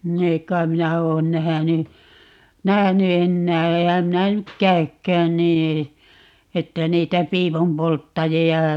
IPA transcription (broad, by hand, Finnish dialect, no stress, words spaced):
ni ei kːɑim̆ minæ oːn næhæny næhæny enːæː eːhæm minæ nyk kæy̞kːæːn niː etːæ niːtæ piːpumpoltːɑjiɑ